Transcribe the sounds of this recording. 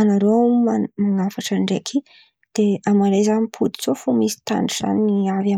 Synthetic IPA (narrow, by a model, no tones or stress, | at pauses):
anaɾomamaŋafaʈ͡ʂəɳɖ͡ʐekʰi | d̪̥eamaɾejzanipʰud̪i̥zofumizi̥t̪a̰ɳɖ͡ʐiz̥a̰niniava